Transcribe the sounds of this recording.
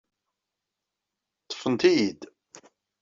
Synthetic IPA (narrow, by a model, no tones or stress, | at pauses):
t̪ːə̥fənt̪ijid̪